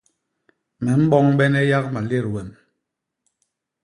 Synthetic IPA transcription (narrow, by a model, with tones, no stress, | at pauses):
mɛ˨m̩˦ɓɔ˦ŋɓɛ˦nɛ˦ja˦k̚ma˨le˦˨ɾwɛ˨m